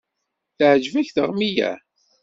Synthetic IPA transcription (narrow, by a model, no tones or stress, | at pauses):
θəʕd͡ʒvæçθəʁmijæ̰